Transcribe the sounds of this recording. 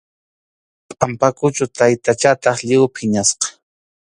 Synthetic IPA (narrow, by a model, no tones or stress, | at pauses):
pʼampakʊt͡ʃʊt̪ajt̪at͡ʃat̪ɑχʎɪwpʰɪɲasqɑ̥